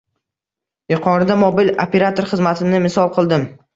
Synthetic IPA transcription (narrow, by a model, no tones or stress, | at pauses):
jɪqʰɒɾɪd̪amobilopʰʲe̞ɾat̪ʰoɾχɨzmat̪ʰɪnɪmɪsɒlˠqʰɨlˠd̪ɪm